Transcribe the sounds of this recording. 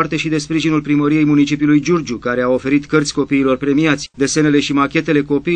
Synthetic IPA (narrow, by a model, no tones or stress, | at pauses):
art̪e̞ʃid̪e̞spɾiʒinulpɾiməɾije̞jmunit͡ʃipiulujd͡ʒurd͡ʒukaɾe̞ao̞fe̞ɾit̪kərt̪sʲko̞piːlo̞rpɾe̞miat̪sʲd̪e̞se̞ne̞le̞ʃimakʲe̞t̪e̞le̞ko̞pi